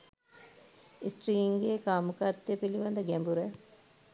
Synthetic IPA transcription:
isʈriːŋɡeːkaːmukat̪ːepiliʋɐnd̪əɡɛmbuɾə

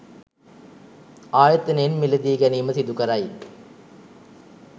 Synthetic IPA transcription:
aːjɐt̪ːɐnenmilɐd̪iːɡæniːməsid̪ukɐɾɐj

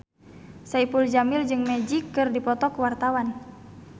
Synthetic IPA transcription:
saipuld͡ʒamɪld͡ʒɨŋmɛd͡ʒikːɨrdipɔt̪ɔkuwart̪awan

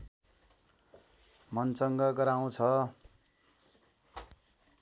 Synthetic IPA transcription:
mʌnt͡sʌŋɡʌɡʌɾaw̃t͡sʰʌ

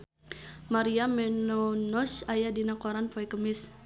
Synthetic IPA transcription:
maɾiamɛnɔnɔsajadinakɔɾanpoɛkəmɪs

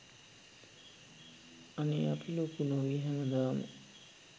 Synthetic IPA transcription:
aneapʰiloːkunoʋiɦɛnɐd̪aːmə̰

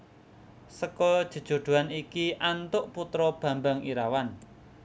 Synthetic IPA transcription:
səkɔd̥ʒ̥ə̤d̥ʒ̥o̤ɖ̪̥ṳwanikiʔant̪ʊʔput̪ɾɔb̥ä̤mbaŋiɾawan

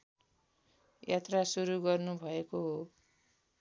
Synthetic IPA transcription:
jat̪rasuɾuɡʌrnubʱʌekoɦo

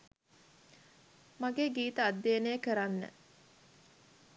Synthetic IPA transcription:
maɡeːɡiːt̪əad̪ːeːnejəkəɾanːə̰

